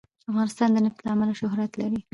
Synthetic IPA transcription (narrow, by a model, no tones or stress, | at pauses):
afɣɑnɪst̪ɑnd̪ənaft̪laːmalaʃʊhɾat̪laɾi